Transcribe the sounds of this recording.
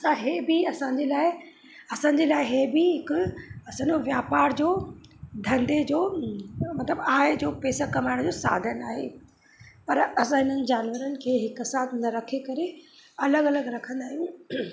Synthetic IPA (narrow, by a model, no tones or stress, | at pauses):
ɐsãɦebiɐsãːɲd͡ʑeːlaːɪ | ɐsãːɲd͡ʑelaːɪɦeːbɪɦɪkʊɐsãːɲd͡ʑoʋjaːpaːɾd͡ʑoːd̪ʱɐ̃nd̪ed͡ʑoːmɐt̪ləbaːɦed͡ʑoːpɛːsakɐmaːɪɽ̃d͡ʑoːsa̰ːd̪ʱənaːɦḛ | pɐɾɐsãɦɪnənɪ̆d͡ʑaːnʋəɾənɪ̆kʰeːɦɪksaːt̪ʰnɐɾɐkʰekɐɾeɐləɡɐləɡɾɐkʰə̃nd̪aːɦijũ